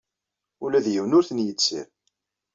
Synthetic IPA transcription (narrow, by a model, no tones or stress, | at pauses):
ulæðjəwnʊɾθənjət͡sːḭɾ